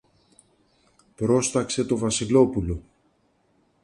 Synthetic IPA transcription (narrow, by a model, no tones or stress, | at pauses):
pɾo̞st̪ɐkse̞t̪o̞vɐsilo̞pulo̞